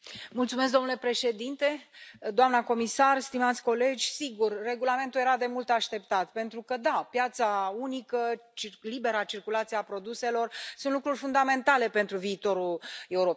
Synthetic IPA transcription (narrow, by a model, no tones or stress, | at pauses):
mult̪sumes̬k̚d̪onule̞pɾe̞ʃe̞d̪int̪e̞d̪oamnako̞misarst̪imat̪sʲko̞le̞d͡ʒʲsiɡurːe̞ɡulame̞nt̪uljeɾad̪e̞mult̪aʃt̪e̞pt̪at̪pe̞nt̪ɾukəd̪apjat̪saunikət͡ʃilibe̞ɾəat͡ʃirkulat̪sieapɾo̞d̪use̞lo̞rsũnt̪lukɾurʲfund̪ame̞nt̪ale̞pe̞nt̪ɾuviːt̪o̞ɾule̞uɾop